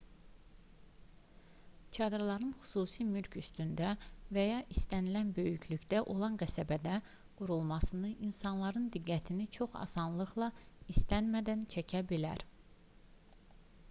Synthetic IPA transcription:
cʰɑd̪ɯɾlˠɑɾɯnxy̥suːsimylcʰyst̪ynd̪ævæjɑʔist̪ænilænbø̞jycʰlycd̪æʔo̞lˠɑnɡæsæbæd̪æ | ɡ̥uɾulˠmɑsɯnɯʔinsɑnlˠɑɾɯnd̪iɡːæt̪ʰinit͡ʃʰo̞χɑ̰sɑnlˠɯχlˠɑ | ist̪ænmæd̪ænt͡ʃʰæcʰæbilæ̰ɾ

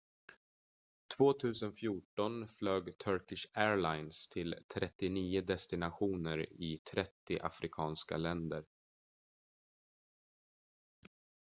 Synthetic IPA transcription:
t̪ʰvoːt̪ʰʉ̟ːsənfjuːʈɔnfløːɡt̪ʰœɾkɪʂæːɾlajnst̪ʰɪlt̪ʰɾɛt̪ːɪniːʊd̪ɛst̪ɪnaɧuːnəɾɪt̪ʰɾɛt̪ːɪʔa̰fɾɪkʰɑːnska̰lɛnd̪əɾ

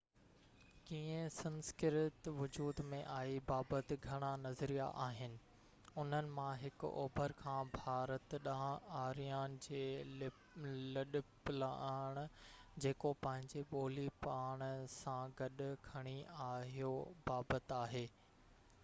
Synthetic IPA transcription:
kiːə̃sɐ̃nskɪɾɪt̪ʋʊd͡ʑuːd̪mẽʔaːibaːbət̪ɪ̆ɡʱɐɽ̃anɐzɾija̰ʔaːɦɪnɪ̆ | ʊn̤ənɪ̆mãɦɪkʊɔ̰ːbʱəɾkʰãːbʱaːɾət̪ɗaãaːɾijaːnɪ̆d͡ʑeː | lɐɗʊpɪlaːɽ̃d͡ʑeːkopɐ̃ɦɪ̃ɲd͡ʑeɓoːlipaːɽ̃sãɡɐɗʊ̆kʰɐɽ̃iaːɦijobaːbət̪aːɦeː

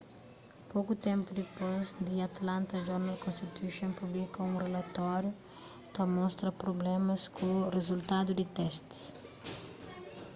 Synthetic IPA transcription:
pokut̪ẽmpud̪ipozd̪iɐt̪lãnt̪ɐd͡ʒɔɾnalkõnst̪it̪uʃõnpublikɐũrelɐt̪ɔɾju | t̪ɐmɔ̃st̪ɾɐpɾoblɛmɐskurezult̪ad̪ud̪ɪt̪ɛst̪s

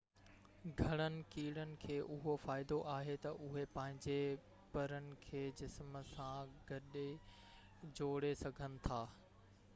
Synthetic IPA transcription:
ɡʱɐɽ̃ənɪ̆kiːɽənɪ̆kʰeːʔʊɦofaːɪd̪oʔaːɦet̪ɐʔʊɦepɐ̃ɦɪ̃ɲd͡ʑe | pɐɾənɪ̆kʰeːd͡ʑɪsmsãɡʱɐɗe | d͡ʑoːɽesɐɡʱənɪ̆t̪ʰaː

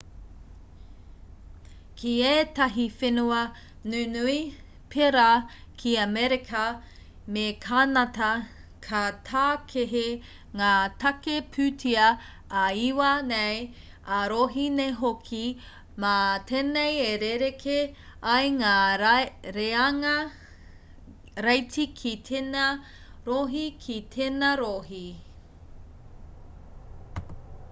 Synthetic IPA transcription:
kʰieːtɐɦifenuɐ | nʉnui | pʰeɾa | kʰiɐmɛɾekʰɐ | mekʰanɐtɐ | kʰɐtʰaːkʰeɦe | ŋaːtʰɐkepʰʉtʰiɐ | ɐiwɐnej | ɐɾoːɦineɦokʰi | mɐt̪ʰeːnejeɾeɾekʰeɐjŋaː | ɾeɐŋɐ | ɾɐjtikʰitʰenɐ | ɾoːɦikʰitʰenɐɾoːɦi

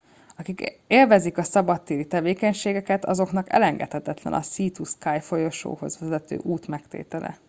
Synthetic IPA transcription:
ɒkikeːlvɛzikɒsɒbɒt̪ːiːɾit̪ɛveːkɛɲʃeːɡɛkɛt̪ɒ̰zo̞knɒkɛ̰lɛŋɡɛ̰t̪hɛt̪ɛt̪lɛ̰nɒ̰siːt̪uskaːjfo̞joʃo̰ːhozvɛzɛt̪ø̰ːʔuːt̪mɛkt̪ḛːt̪ɛlɛ̰

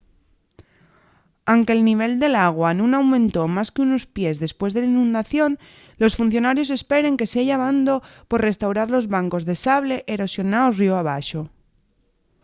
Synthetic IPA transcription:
awŋke̞ːlniβ̞e̞ld̪e̞laɣ̞wanũnawmẽ̞nt̪o̞maskeuno̞spje̞zðe̞spwe̞zðe̞lainũnd̪aθjo̞n | lo̞sfunθjo̞naɾjo̞s̬e̞spe̞ɾe̞ŋke̞seʝaβand̪o̞po̞ɾre̞st̪awɾaɾlo̞zβaŋko̞zðe̞saβle̞ʔeɾo̞sjo̞naosrioaβ̞aʃo̞

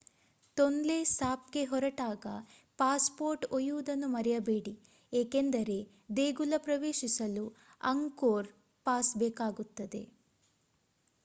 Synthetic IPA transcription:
t̪ond̪lesaːp̚ɡe̞ɦɔɾɐʈaːɡɐ | paːspoːɾʈojuʋud̪ɐnːumɐɾɛjɐbeːɽi | eːkend̪ɐɾe̞ | d̪eːɡulɐpɾɐʋeːʃisɐlu | ɐ̰ŋkoːɾ | paːsbɛːkaːɡut̪ːɐd̪e̞̰

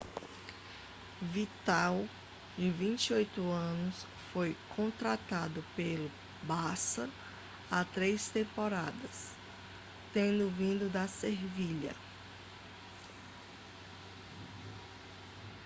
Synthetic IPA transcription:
vit̪aw | d͡ʒɪvĩt͡ʃiojt̪ʊɐ̃nʊs | fojkʰõt̪ɾat̪ad̪ʊpelʊ | basɐ | at̪ɾejst̪ẽmpɔɾad̪ɐs | t̪ẽnd̪ʊvĩd̪ʊd̪ɐseɾviʎɐ̰

